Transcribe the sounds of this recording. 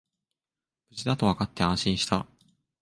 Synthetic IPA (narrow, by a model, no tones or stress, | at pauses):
bɯ̟t͡ɕid̪at̪o̞βakat̪ːeãɰ̃ɕĩɰ̃ɕi̥t̪a